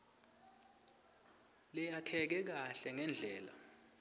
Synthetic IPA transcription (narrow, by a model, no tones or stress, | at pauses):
lɛjakʰɛk̬ɛk̬aɬɛŋɛnd͡ɮʱɛːla̰